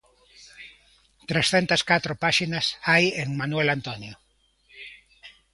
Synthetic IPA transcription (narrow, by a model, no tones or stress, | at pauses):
t̪ɾesθent̪askat̪ɾopaʃinasajeŋmãnuwelant̪onjo